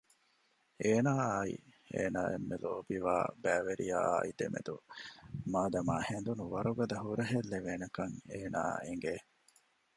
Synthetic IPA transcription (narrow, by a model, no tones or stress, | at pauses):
eːnaːɐḭ | ḛːnaːʔḛmːelo̰ːbiʋa̰ːbæːʋeɾija̰ːid̪emḛd̪u | maːd̪ɐmaːhend̪unuʋɐɾuɡɐd̪ɐɦuɾɐɦelːeʋeːnɐkɐŋeːna̰ːeŋɡe